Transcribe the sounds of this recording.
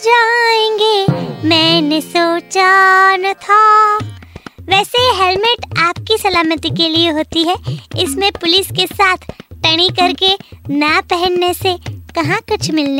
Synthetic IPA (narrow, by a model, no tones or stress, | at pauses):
d͡ʒaːẽːŋɡemɛ̃ːnesoːt͡ʃant̪ʰa | ʋɛːseɦelmɪʈaːp̚kisɐlaːmət̪ikelieɦoːt̪iɦɛɪsmẽpʊlɪskesaːt̪ʰʈɐɽ̃ikɐɾkenapɛɦɛ̃nːesekɐɦãkʊt͡ʃʰmɪlne